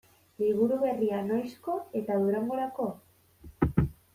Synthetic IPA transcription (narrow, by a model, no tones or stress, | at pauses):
liβ̞uɾuβe̞riano̞jsko̞e̞t̪aðuɾaŋɡo̞ɾako̞